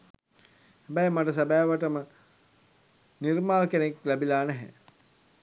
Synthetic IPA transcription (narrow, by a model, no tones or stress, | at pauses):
hæbɛjmaʈəsabæːʋəʈəmə | nirmaːlkeneklæbilaːnæɦɛ̰ː